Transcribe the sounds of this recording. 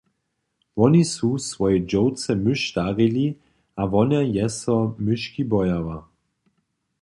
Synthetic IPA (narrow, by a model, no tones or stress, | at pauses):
vɔnisusʋɔjɛd͡ʒɔwt͡sɛmʏʃt̪aʁili | aʋɔnajɛsɔmʏʃkibɔjava